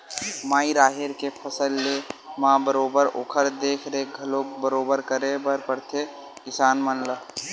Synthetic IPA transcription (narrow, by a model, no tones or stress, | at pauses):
maːiɾaːɦeɾkepʰəsəlːemãːbəɾoːbəɾo̰ːkʰəɾd̪eːkʰɾeɡʱɐlobəɾoːbəɾkəɾẽbəɾpəɾt̪ʰe | kɪsaːnmənlə